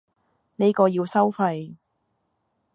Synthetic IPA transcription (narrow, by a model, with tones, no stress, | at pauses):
ne˥jkɔː˧jiː˧wsɐ˥wfɐ˧j